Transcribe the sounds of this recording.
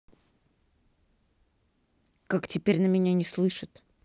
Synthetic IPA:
kaktʲɪpʲeɾʲnəmʲɪnʲanʲɪslˠɨʂɨt̪

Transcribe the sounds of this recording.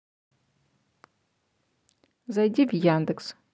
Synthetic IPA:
zɐjdʲivjaːnd̪ɨks

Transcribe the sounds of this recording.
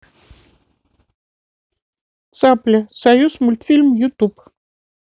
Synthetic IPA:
t̪saplʲəsɐjusmulʲt̪fʲilʲmjʊt̪up

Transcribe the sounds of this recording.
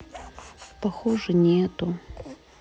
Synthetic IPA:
pɐxoʐɨnʲɪɛt̪ʊ

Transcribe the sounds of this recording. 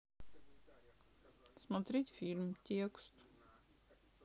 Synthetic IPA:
smat̪ɾit̪ʲfiɾmt̪ʲiɛkst̪

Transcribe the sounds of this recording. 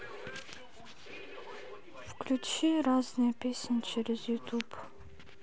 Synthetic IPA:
fklʲut͡ʃiɾaznɨjɛpʲesʲnʲt͡ʃʰɛɾɛzjut̪ʰup

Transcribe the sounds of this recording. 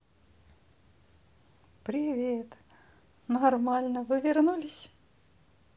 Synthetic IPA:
pɾʲɪvʲet̪ | nɐrmalʲnəvɨvʲɪrnulʲɪsʲ

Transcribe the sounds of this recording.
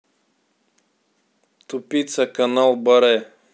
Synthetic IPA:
t̪upit̪sakanalˠbəɾɛ

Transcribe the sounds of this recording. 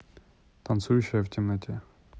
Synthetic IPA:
t̪ɐnt̪sujʉɕːɪjəftʲɪmnɐtʲe

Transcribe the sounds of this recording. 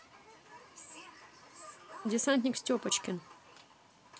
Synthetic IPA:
dʲɪsanʲt̪ʲnʲɪksʲtʲopət͡ɕkʲɪn

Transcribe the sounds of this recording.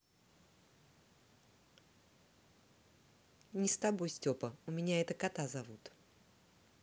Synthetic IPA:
nʲɪst̪abo̞jsʲtʲopəʊmʲɪnʲaɛt̪əkat̪azɐvut̪

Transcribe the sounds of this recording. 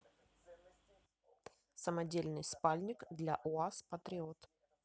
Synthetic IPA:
səmɐdʲelʲnɨjspalʲnʲɪkd̪lʲa̰ʔʊaspət̪ɾʲɪot̪

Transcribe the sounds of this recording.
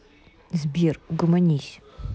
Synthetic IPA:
zbʲiruɡʊmɐnʲisʲ

